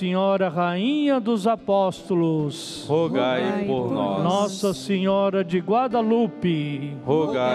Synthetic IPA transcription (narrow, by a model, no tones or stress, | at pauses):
sẽɲɔɾɐɦaĩɲɐd̪ʊzapɔst̪ʊlʊs | hoɡajpoɾnɔ̰nɔsɐsẽɲɔɾɐd͡ʒɪɡwad̪ɐlupɪhoɡa